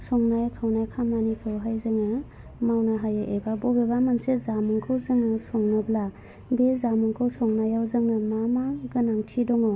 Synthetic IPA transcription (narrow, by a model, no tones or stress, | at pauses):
sɔŋnajkʰawnajkʰamanikʰɯwɦajzɯŋɯ | mawnaɦajaʔebabɔbebamansezamuŋkʰɯwzɯŋɯsɔŋnɯbla | bezamuŋkʰɯwsɔŋnajawzɯŋɯmamaɡɯnaŋtʰidɔŋo